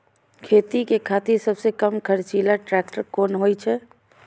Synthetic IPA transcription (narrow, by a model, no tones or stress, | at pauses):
kʰet̪ikekʰat̪isəbsekəmkʰəɾt͡ʃilaʈɾɛk̚ʈəɾkonɦojt͡ʃʰɛ